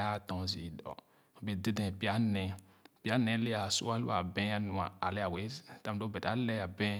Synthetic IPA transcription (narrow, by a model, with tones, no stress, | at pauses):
a˦˨tɔ̃˨zi˨dɔ̰˨ | be˨de˦dɛ̃˨pi˦a˦nɛ̃˨ | pi˦a˦nɛ̃˦le˦a˨sṵ˦a˦lṵ˦a˨bɛ̃˦a˦nũ˨a̰˨a˨le˦a˨we˨˦ta˦m˨do˦bɛ˨ta˨˦lɛ˦a˨bɛ̃˦